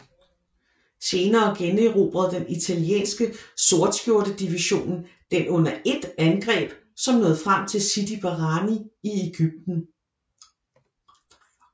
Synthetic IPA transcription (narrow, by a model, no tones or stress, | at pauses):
se̝ːnɐːɡ̥ene̝ʁo̝̰ːb̥ʁɐð̞̩ˠd̥enit͡sʰæljḛːnsɡ̥əso̝ɐd̥sɡ̥jo̝ɐd̥əd̥iʋiɕo̝̰ːnn̩ | d̥enʔɔ̽n̰ɐʔe̝d̥ænɡ̥ʁɛ̰ːb̥ | sɒ̽mnɔ̽ːð̩ˠfʁam̰t͡sʰe̝lsid̥ib̥ɑʁɑniie̝ɡ̥yb̥̚d̥n̩